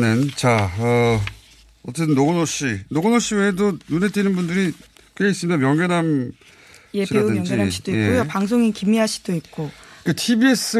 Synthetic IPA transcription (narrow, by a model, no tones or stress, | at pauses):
nɯnt͡ɕaʌ | ʌt͈etʰɯnːoɡonoɕ͈inoɡonoɕ͈iweedonunet͈inɯnbundɯɾi | kɯɡeis͈ɯmidamjʌŋɡenam | jeiɾaudɯnŋd͡ʑɡinaɕʰid̥oikekojopaŋs̬ʰoŋikimiɦaɕʰi̥d̥oip̚k͈oketʰibie̞s͈ɯ